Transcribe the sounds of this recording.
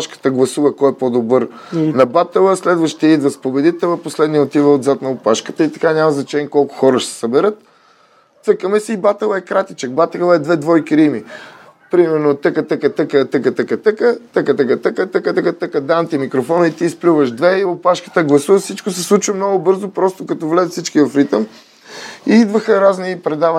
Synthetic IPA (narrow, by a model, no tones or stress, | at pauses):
ʃkə̥t̪əɡlˠɐsuvəkɔɛpod̪obɤɾ | nɐbat̪ɛlˠəslɛd̪vəʃt̪ɛid̪vɐspobɛd̪it̪ɛlˠɐposlɛd̪niəot̪ivəod̪zat̪nɐopaʃkə̥t̪əit̪ɐkanʲamɐznɐt͡ʃɛnʲiɛkɔlˠkʊ̥xɔɾəʃɛ̥ɛ̥səbɛɾət̪̚ː | əkəmɛsiːbat̪ɛlˠəɛkɾat̪it͡ʃək̚bat̪ɛlˠəɛd̪vɛd̪vɔjkiɾimi | pɾimɛɾnot̪əkət̪əkət̪əkət̪əkət̪əkət̪əkət̪əkət̪əkət̪əkət̪əkət̪əkət̪əkəd̪amt̪imikɾofɔnəit̪iːsplʲuvəʒd̪vɛiopaʃkə̥t̪əɡlˠɐsuvəfsit͡ʃkʊsɛslˠut͡ʃvəmnɔɡʊbɤɾzopɾɔst̪okɐt̪ɔvlɛzət̪sit͡ʃkivɐfɾit̪əm | iid̪vəxəɾaznipɾɛd̪avə